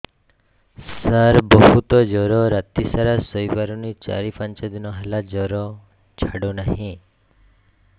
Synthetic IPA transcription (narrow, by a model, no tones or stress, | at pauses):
səɾbɔɦut̪ɔd͡ʒɔɾɔɾat̪isaɾasɔjbaɾɔnit͡ʃa̰ɾifant͡ʃad̪inɔɦelad͡ʒɔɾɔ | t͡ʃʰaɽonaɦĩ